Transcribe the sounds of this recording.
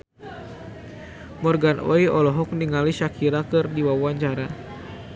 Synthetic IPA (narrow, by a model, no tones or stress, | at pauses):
mɔrɡanɔiɔlɔɦɔk̚niŋaliʃakʰiɾakɨrdiwawuaɲt͡ʃaɾa